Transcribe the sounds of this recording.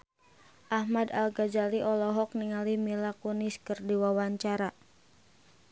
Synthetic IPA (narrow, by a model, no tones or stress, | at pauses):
ʔahmadalɡad͡ʒaliʔɔlɔɦɔk̚niŋalimilakuniskərdiwawaɲt͡ʃaɾa